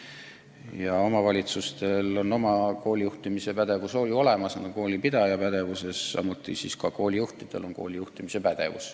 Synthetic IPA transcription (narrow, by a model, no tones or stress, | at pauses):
jɑo̞mɑvɑlʲit̪sust̪e̞lo̞nːo̞mɑko̞ːlʲijuht̪imise̞pæd̪e̞vuso̞ːlʲuole̞mɑsnɑɡ̪oko̞ːlʲipid̪̥ɑjɑpæd̪̥e̞vuse̞sːɑ̰mut̪ˑːisiskɑko̞ːlʲijuht̪id̪̥e̞̰lo̞nko̞̰ːlʲijuht̪imise̞pæd̪̥e̞̰vṵs